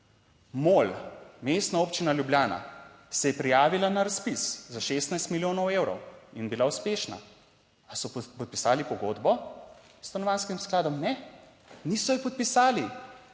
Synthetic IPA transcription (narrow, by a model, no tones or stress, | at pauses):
molmest̪naoːpt͡ʃinaljubljaːna̰ | sɛjɛpɾijaːʋilanaɾaspiszaʃeːst̪najst̪miljoːnɔwewɾɔ̰winbilauspeːʃna̰ | asɔpɔt̪̚pisaːlipɔɡoːd̪bɔ | st̪anɔʋanskimsklaːd̪ɔmnɛ | nisɔjɛpɔt̪̚pisaːli